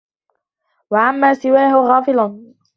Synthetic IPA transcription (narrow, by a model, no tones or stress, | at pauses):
waʕamːaːsɪwaːhɪɣɑːfɪlɑn